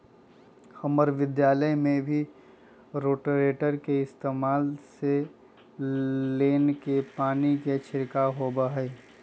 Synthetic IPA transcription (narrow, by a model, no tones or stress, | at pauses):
xəməɾʋɪd̪jaːləjmẽbʱi | ɾoːʈɾeːʈəɾkeɪst̪eːmaːlse | leːnkepaːniket͡ʃʰɪɾkaɦobaɦəe